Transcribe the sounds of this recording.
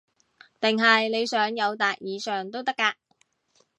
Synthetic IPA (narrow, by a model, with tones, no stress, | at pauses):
t̪ɪ˨ŋɦɐ˨jle˨˧jsœː˨˥ŋjɐ˨˧wt̪aː˨k̚jiː˨˧sœː˨ŋt̪o˥wt̪ɐ˥kːaː˧k